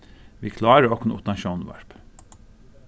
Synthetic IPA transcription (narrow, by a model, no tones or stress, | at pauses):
ʋiːkʰlɑːɾəɹɔknʊpd̪ɑnʃuːn̩ʋæ̰ɹp